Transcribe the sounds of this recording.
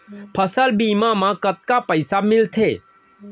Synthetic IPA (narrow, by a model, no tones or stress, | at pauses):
pʰəsəlbimamãkət̪̚kapəɪsamɪlt̪ʰe